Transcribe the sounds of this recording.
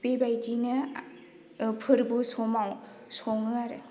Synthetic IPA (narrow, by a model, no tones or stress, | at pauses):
pebajdinɯ | pʰɯɾbusɔmaw | sɔŋɯaɾɯ